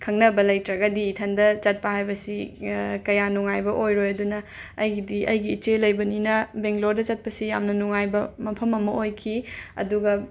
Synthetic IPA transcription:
kʰɐŋnɐbɐlɐjtɾɐɡɐdiːtʰɐndɐt͡ʃɐt̚pɐhajbɐsikɐjanuŋajbɐʔojɾojɐdunɐːjɡidiʔɐjɡiːt͡ʃelɐjbɐninɐbeŋɡloɾdɐt͡ʃɐt̚pɐsijamnɐnuŋajbɐmɐpʰɐmɐmɐojkʰiɐ̰duɡɐ

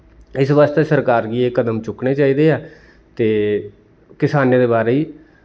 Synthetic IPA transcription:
ɪsʋaːst̪eːsəɾkaːɾɡiːeːkːəd̪əmt͡ʃʊkneːt͡ʃaːiːd̪eːɛː | t̪eː | kɪsaːneːd̪eːbaːɾeːiː

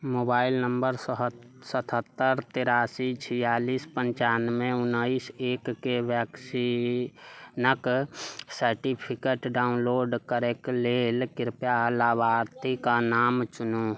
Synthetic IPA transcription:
moːbaːɪlnəmbəɾsɦ | sət̪ʰət̪ːəɾt̪eɾaːsit͡ʃʰijaːlispəɲt͡ʃaːnmẽʊnəiseːkːeʋjaksi | nəksəɾʈipʰikeʈɖaːʊnloːɖkəɾekleːlkɪɾpjalabaːɾt̪ikanaːmt͡ʃʊno

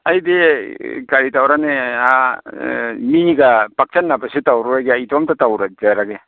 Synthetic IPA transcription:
ajdekaɾitawɾanea | miniɡapak̚t͡ʃanːapasitawɾuɾaɡeajtɔmtatawɾad͡ʒaɾaɡe

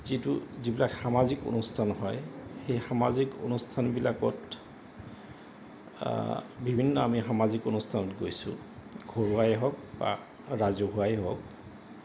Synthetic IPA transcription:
zituzibilakxamaziko̰nustʰanɦɔjxejxamaziko̰nustʰanbilakɔt | bibʱinːɔamixamazikonustʰanɔtɡojsʊ̰̃ | ɡʱɔɹuajɛɦɔk̚ba̰ | ɹazɔɦuajɛɦɔk̚

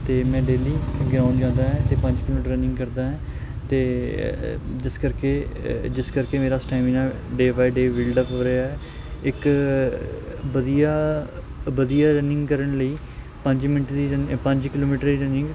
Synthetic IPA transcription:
t̪eːmɛ̃ːɖeːliːɡɾaːnd͡ʒãːnd̪aːɦɛ̃ːt̪eːpə̃ɲd͡ʒkɪloːəʈɾənɪ̃ŋɡkəɾd̪aːɦɛ̃ːt̪eː | d͡ʒɪskəɾkeːd͡ʒɪskəɾkeːmeːɾaːsʈaːɪmiːnaː | ɖeːbaːiɖeːʋiːlɖəpɦoːɾeaːɦɛː | ɪk | bəd̪ijaː | bəd̪ijaːɾənɪ̃ŋɡkəɾəɳləiː | pəɲd͡ʒmɪnəʈd̪iːənpəɲd͡ʒkɪloːmiːʈəɾd̪iːɾənɪ̃ŋɡ

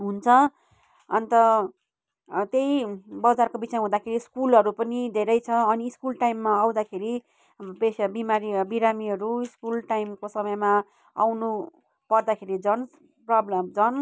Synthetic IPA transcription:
ɦunt͡sʰʌ | ʌnit̪ʌ | t̪jejbʌd͡zarkobisʌm̃ɦũd̪akʰeɾiskulʌɾupʌnid̪ʱeɾʌjt͡sʰʌʌniːskulʈajmːaaw̃d̪akʰeɾi | besbimaɾibiɾamiɦʌɾuiskulʈajmkosʌmʌjma | a̰wnu | pʌrd̪akʰeɾid͡zʌn | prʌblʌmd͡zʌn

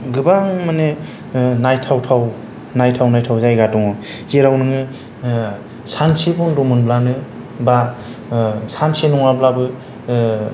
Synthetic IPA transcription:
ɡɯbaŋmane | najtʰawtʰaw | najtʰawnajtʰawzajɡadɔŋɔhiɾawnɯŋɯ | sansibɔŋdɔmɯnblanɯ | ba | sansinɔŋablabɯ

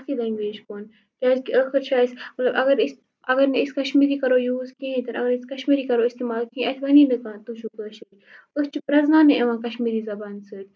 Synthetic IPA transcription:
afiːlɐŋɡʋeːd͡ʒkoːn | kʲaːd͡ʒkiəːxəɾt͡ʃʰaːjsmɐt̪lɐbɐɡɐɾɪs | ɐɡəɾneɪskɐʃmiːɾiːkɐɾojuːzkĩɦĩt̪ɐɾɐ̰ɡəɾnɪskɐʃmiːɾikɐɾoɪst̪eːmaːlkĩʔɐt̪ʰʋɐninɨkãːt̪ut͡ʃʰukəːʃi | ʊst͡ʃipɾɐznãːneʔeʋãːkɐʃmiːɾizɐbaːnsɨʈ̪

